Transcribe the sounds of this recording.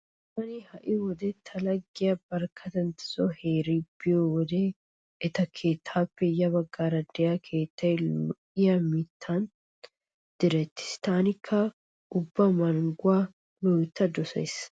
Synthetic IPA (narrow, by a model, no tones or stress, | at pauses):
tɐnihɐʔɪwɔd̪eːt̪ʰːɐlɐɡːɪjɐbɐɾkʰɐt̪ɐnt̪ɪ̥sɔheːɾiːbɪjowɔd̪eː | ɪt̪ɐkʰeːt̪ʰːaːfɛjɐbɐɡːaːɾɐd̪ɛjaːkʰe̞ːt̪ːɐlɔʔɪjamiːt̪ʰːaːn | d̪̥ɪɾɛt̪ːɪ̥st̪aːnɪkʰːɐ | ʊbːɐmɐlɡʊaː | lɔjt̪ːɐd̪ɔsɐ̰js